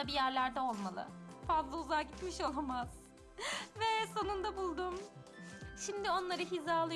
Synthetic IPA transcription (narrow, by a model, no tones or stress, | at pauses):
abijæɾlʲæɾd̪ɛo̞lˠmalˠɯ̰fazlˠauzaɟit̪miʃo̞lˠamaz̥ | vɛso̞nund̪abulˠd̪um | ʃimd̪ɪo̞nlˠaɾɯɦizaːlˠɯ